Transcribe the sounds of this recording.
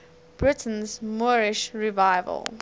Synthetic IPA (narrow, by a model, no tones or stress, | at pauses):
b̥ɹɪtʰə̃n̩zmɔɹɪʃɹivaɪvə̰lˠ